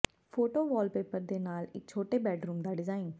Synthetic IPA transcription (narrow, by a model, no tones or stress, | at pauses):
pʰoːʈoːʋɔːlpeːpəɾd̪eːnaːlɪ̰k̚t͡ʃʰoːʈeːbɛːʈɾuːmd̪aːɖɪzaːin